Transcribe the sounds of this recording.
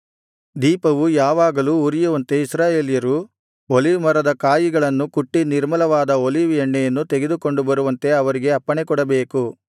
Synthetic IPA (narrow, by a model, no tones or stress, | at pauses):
d̪iːpɐʋujaːʋaːɡɐluːɾijuʋɐnt̪e̞isɾaːjeːlijɐɾu | oliʋmɐɾɐd̪ɐkaːjiɡɐɭɐnːukuʈːiniɾmɐlɐʋaːd̪ɐoliʋjɐɳːɛjɐnːut̪eɡe̞d̪uko̞ɳɖubɐɾuʋɐnt̪e̞ɐʋɐɾiɡe̞ɐpːɐɳekɔɽɐbeːku